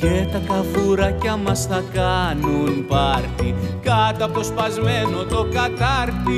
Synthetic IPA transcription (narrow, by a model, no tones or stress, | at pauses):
cet̪ɐkɐvuɾɐcɐmɐsθɐkɐnunipɐɾçikɐt̪ɐt̪ospɐzme̞no̞t̪o̞kɐt̪ɐɾt̪i